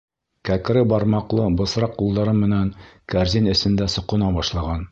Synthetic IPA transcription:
kæk̆ɾɘbɑɾmɑqlˠɤbɤ̆sɾɑqːulˠd̪ɑɾɤmːɘ̆næŋkæɾzʲinɘ̆sɘ̆nd̪æsŏqŭnɑbɑʃlˠɑʁɑn

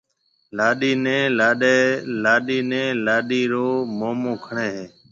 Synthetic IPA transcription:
laːɗiːnẽːlaːɗelaːɗiːnẽːlaːɗiːɾoːmoːmõːkʰəɳeːɦeː

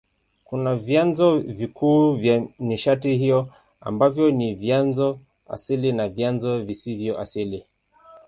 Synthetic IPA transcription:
kunavjanzɔvikuːvjaniʃatihijɔ | a̰mbavjɔnivjanzɔ | a̰silinavjanzɔvisivjɔʔa̰sili

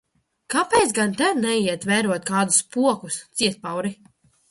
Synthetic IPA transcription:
kapɛjt̪sɡant̪ɛnɛiɛt̪vɛːɾuɔt̪̚kaːd̪uspuɔkust̪siɛt̪̚pawɾi

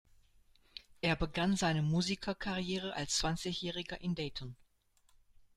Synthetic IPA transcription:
ʔeːɐbəɡanzaɪnəmuːzikʰɐkʰaʁjeːʁ̞əʔalst͡sv̥ant͡sɪçjɛːʁɪɡɐʔɪndɛːtʰɔn

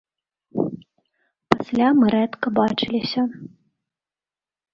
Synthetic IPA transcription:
pasʲlʲamɨɾɛt̪kɐbat͡ʂɨlʲisʲɐ

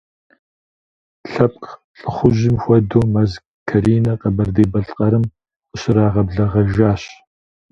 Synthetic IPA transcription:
ɬɐp̚ʼq | ɬʼɨχʷʊʑɪmxʷɔdoːmɐz | kʰɐɾiːnɐqɐbɐrdeːbɐɬʼqʼɐɾɨmʷ | ʊɕɪɾaːʁɐbɮɐʁɐʒaːɕ

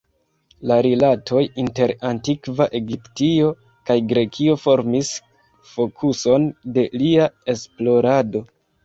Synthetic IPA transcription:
laɾilatʰo̞jinte̞ɾantikvaʔe̞ɡiptio̞ | kajɡɾe̞kʰio̞fo̞ɾmis | fo̞kʰuso̞nde̞liae̞splo̞ɾado̞

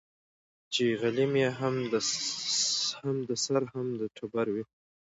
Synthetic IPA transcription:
t͡ʃeɣalimjeɦamd̪ə | hamd̪əsaɾhamd̪əʈʰʊbaɾwi

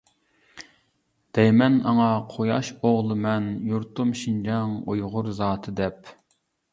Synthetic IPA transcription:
d̪̥ɛjmɛnɑŋɑqʰojɑʃoʁlˠɨmɛnjuɾt̪ʰumʃind͡ʒɑŋojʁʊɾzɑːt̪ʰɨd̪ɛp

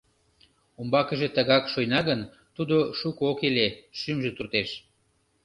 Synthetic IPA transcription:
umbɑkəʒet̪əɣɑkʃojnɑɣən | t̪ud̪oʃukokeleʃymʒet̪urt̪eʃ

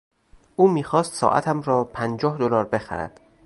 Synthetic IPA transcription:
ʔuːmiːxɒːst̪sɒ̰ːʔæ̰t̪ʰæmɾɒːpʰænd͡ʒɒːhd̪olɒːɾbe̞xæ̰ɾæ̰d̪̥

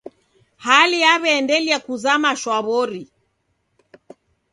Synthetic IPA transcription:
haliaβɛːndɛliakuzamaʃwaβɔɾi

